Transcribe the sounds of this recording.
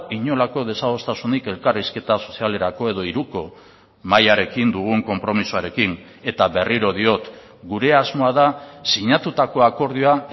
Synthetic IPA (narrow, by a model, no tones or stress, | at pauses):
iɲo̞lako̞ð̞e̞saɣo̞st̪asunike̞lkariske̞t̪aso̞siale̞ɾako̞e̞ð̞o̞iɾuko̞ | majaɾe̞kind̪uɣ̞uŋko̞mpɾo̞misuaɾe̞kin | e̞t̪aβe̞riɾo̞ðio̞t̪ | ɡuɾe̞azmo̞aðasiɲat̪ut̪ako̞ako̞ɾð̞ioa